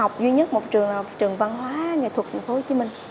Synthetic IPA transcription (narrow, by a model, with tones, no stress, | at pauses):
a˨˩wk͡p̚zwi˧ɲə˦˥t̚mo˨˩t̚t͡ɕɨ˨˩əŋ˨˩t͡ɕɨ˨˩əŋva˧nɦwaː˨˦ŋe˨˩t̪ʰə˨˩t̪̚ʰa˨˩ŋ̟fo˧˦ho˧˩t͡ɕi˨˦mï˨˩ŋ̟